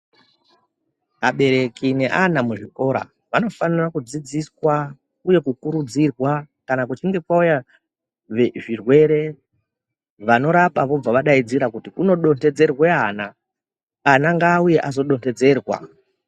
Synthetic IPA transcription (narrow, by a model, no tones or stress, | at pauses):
ɦaɓe̞ɾe̞kine̞ʔanamuʐiko̞ɾa̰ | ʋano̞fanirakud͡zid͡ziswa | uje̞kukuɾud͡zirwa | kanakut͡ʃiŋɡe̞kwauja | eʐirwe̞ɾe̞ | ʋano̞ɾapaʋo̞b͡vaʋaɗaid͡ziɾakutikuno̞ɗo̞nte̞d͡ze̞rwe̞ana | anaŋɡaːuje̞ʔazo̞ɗo̞nte̞d͡ze̞ːrwa̰